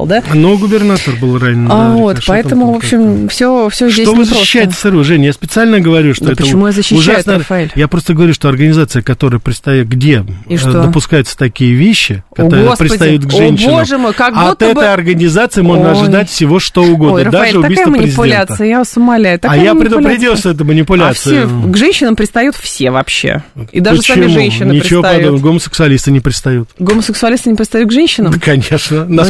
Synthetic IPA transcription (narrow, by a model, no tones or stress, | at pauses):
d̪anoɡʊbʲɪrnat̪ərbɨlˠranʲɪnavot̪pɐɛt̪əmʊvopɕːɪmfsʲofsʲozʲʂdʲestovɨzɕɪ̥ɕːæjɪttʲɪ̥sɐrɨʐɛnʲjaspʲɪt̪sɨalʲnəɡəvɐɾʲuʂt̪oɛtpəəɪmujazəɕːɪʊɕʐasnfɐelʲjapɾo̞st̪əɡəvɐɾʲuʂt̪oɐrɡənʲɪzat̪sɨjəkɐt̪o̞ɾɨjəpɾʲɪt̪st̪ɐj̚ɡdʲe̞ʂd̪əpʊskajʊt̪sə̥t̪ɐkʲijəvʲeɕːɪkɐoɾəospɾʲɪt̪ɐjjut̪ɡʐɛnʲɕːɪnomʐɨmɨkaɡut̪ːəɛbəjɐrɡənʲɪzat̪sɨɪmo̞ʐnəɐʐɨdd̪atʲfsʲɪvo̞ʂt̪o̞ʊɡo̞d̪əɾəd̪aeʐɨʊt̪abijkatj̪əmənpɾʲɪɪzʲɪʊlʲeant̪sɨjəjasʊmɐlʲæjʊt̪akaajappɾʲɪd̪ʊpɾʲɪddʲilˠsʲəɛt̪əmənʲɪpʊlʲat̪fsɨjɡʐɛnʲɕːɪnəmpɾʲɪt̪st̪ɐjut̪fsʲevɐpɕḛḭd̪apəst͡ɕ̪aɪmɪmunʲɕːɪnnʲɪɾʲɪɪvoɐd̪onəɡoməsʲɨ̥ksʊɐlʲist̪ɨnʲɪpɾʲɪt̪st̪ɐjut̪ɡoməsʲɨksʊɐlʲist̪ɨnʲɪpɾʲɪt̪st̪ɐjut̪̚ɡʐɛnʲɕːɪnəmkɐnʲeʂnəna